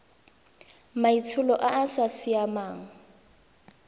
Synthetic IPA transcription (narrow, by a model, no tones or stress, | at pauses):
maitʰʊlɔʔaːsasiamaːŋ̩